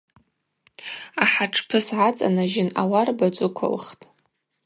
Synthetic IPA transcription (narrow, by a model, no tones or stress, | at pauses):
aħaʈ͡ʂʰpʰɨsʕat͡sʼa̰naʒɪnawarbad͡ʒʷʼʊkʷʰʊ̰lχtʼ